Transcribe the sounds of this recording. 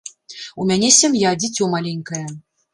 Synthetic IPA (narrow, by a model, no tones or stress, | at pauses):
umʲanʲesʲɛmʲjad͡zʲit͡sʲɔmalʲenʲkɐjɛ